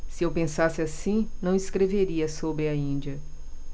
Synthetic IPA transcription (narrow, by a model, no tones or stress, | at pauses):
sɪewpẽsasɪasĩnɐ̃w̃iskɾeveɾiɐsobɾɪɐĩd͡ʒiɐ